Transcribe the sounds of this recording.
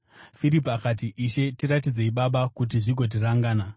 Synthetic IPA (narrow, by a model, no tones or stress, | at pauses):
fiɾip̬akat̬iʔːʃe̞tiɾat̬id͡ze̞iɓaɓakut̬iʐiɡʱo̞t̬iraŋɡaːna